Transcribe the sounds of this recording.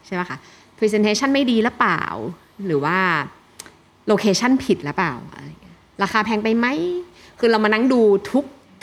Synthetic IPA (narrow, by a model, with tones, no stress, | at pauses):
t͡ɕʰa˥˩jba˦˥˩kʰa˥˩ | pʰi˧se˧nt̪ʰeː˧˥t͡ɕʰa˥˩nma˥˩jdiː˧lɯ˦˥pla̰ː˨˩w | ɾɯː˩˦waː˥˩ | loː˧kʰeː˧t͡ɕʰa˥˩npʰi˨˩t̪̚lɯ˦˥pla̰ː˨˩wʔa̰˧ɾa˧ŋːi˦˥ɐɾaː˧kʰaː˧pʰɛː˧ŋpa˧jma˦˥˩j | kʰɯː˧ɾa˧wma˧na˦˥˩ŋduː˧t̪ʰu˦˥k̚